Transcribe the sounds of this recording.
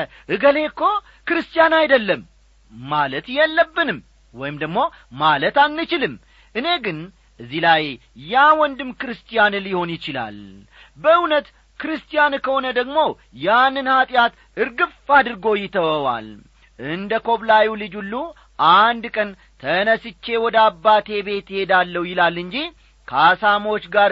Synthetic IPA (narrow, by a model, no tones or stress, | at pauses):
ʔɨɡəle̞kːo̞ | kɨɾɨst̪ʼijanajd̪əlːəmː | alət̪jɛlːəbːɨnɨm | wɔjɪmd̪əɡmo̞ | malət̪anːɨt͡ʃɪlɨm | ʔɨne̞ɡɨn | ɨzːilajː | awɔnd̪ɨmkɨɾɨst̪ʼijanliho̞njɪt͡ʃɪla̰l | bəɨnət̪ | kɨɾɨst̪ʼijankʰəho̞nəd̪əɡmo̞ | janːɨnhat̪ʼjat̪ | ɨɾɡɨfad̪ɨɾɡo̞jɪt̪ʰəwəwa̰l | ʔɨnd̪əkʰo̞βlajilɨd͡ʒulːu | ʔand̪kʼən | t̪ʰənəsɨt͡ʃːe̞wɔd̪əabːat̪ʰe̞be̞t̪jhe̞d̪alːəwjɪlalːɨɲd͡ʒi | kʰasamo̞t͡ʃːɡaɾ